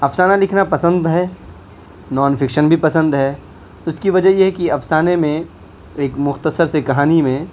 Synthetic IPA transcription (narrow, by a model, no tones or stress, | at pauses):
ɐpsaːnalɪkʰnapɐsə̃nd̪ɦɛː | nɔːnfʰɪkʃənbʱipɐsə̃nd̪ɦɛː | ʊskiʋɐd͡ʒəɦjeɦɛkiɐfsaːnemẽ | eːkmʊxt̪əsəɾsekɐɦaːnimẽ